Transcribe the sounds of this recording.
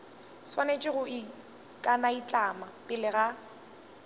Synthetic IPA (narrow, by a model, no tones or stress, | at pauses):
swanet͡ʃʼɪɣʊɪ | kʼanait͡ɬʼamapʼɪlɪɣa